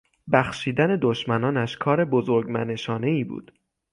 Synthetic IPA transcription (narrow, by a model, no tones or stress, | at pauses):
bæxʃiːd̪æne̞d̪oʃmænɒːnæʃkʰɒːɾe̞bozoɾɡmæ̰ne̞ʃɒːne̞iːbṵːd̪̥